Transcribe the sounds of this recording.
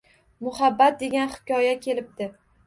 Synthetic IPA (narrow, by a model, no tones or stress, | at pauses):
mʊhabːat̪̚d̪e̞ɡʲanχɪ̥kʲɒjakʲʰe̞lɪp̚d̪̥ɪ